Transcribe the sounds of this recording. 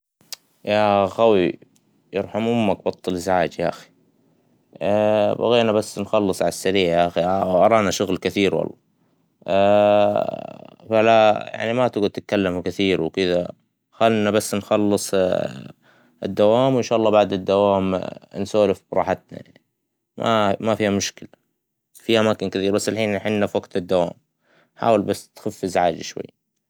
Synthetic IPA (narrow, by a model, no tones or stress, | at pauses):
jaxawi | jɑɾˤħamʔʊmːak̚bɑt̪ˤːɨlɪzʕaːd͡ʒjaʔaxi̥ | ba̰ɣeːnabasːnxɑlːɨsˤʕalasːaɾiːʕʔaxiʔɑɾˤɑːnaʃʊɣlkɪθiːɾwɑ̰lˤːɑ̰ | falaja̰ʕnimat̪ɪɡʊt̪ɪt̪̚kalːamkɪθiːɾwkɪd̪a̰ | xalnabasːnxɑlːɨsˤ | ɪ̰d̪ːawaːmwɪnʃaːʔɑlˤːɑːbaʕd̪ɪd̪ːawaːmnsoːlɪfbɾˤɑːħɪt̪na̰jan | mʔa̰mafiːhamʊʃkɪla | fiʔamaːkɪnkɪθiːɾbasːɪlħiːnħɪnːafwaqt̪ɪd̪ːawa̰ːm | ħa̰ːwɪlbasːt̪xafːɪzʕaːd͡ʒiʃwa̰jːa